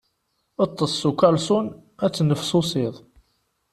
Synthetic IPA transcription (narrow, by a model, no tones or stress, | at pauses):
ət̪ˤːəsˤːukɑlsˤʊnæt͡sːnəfsʊsɪðˤ